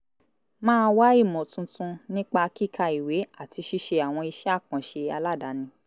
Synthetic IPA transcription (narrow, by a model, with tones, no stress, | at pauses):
mãː˦˧wa˦i˦˨mɔ̃˨tũ˧tũ˧nĩ˦k͡pa˧ki˦˨kʰa˧i˨we˨˦a˦˨ti˧ʃi˦˧ʃe˧a˨w̃ɔ̃˧i˧ʃɛ˦˨kã˨ʃe˧a˧la˦˨da˨˦nĩ˧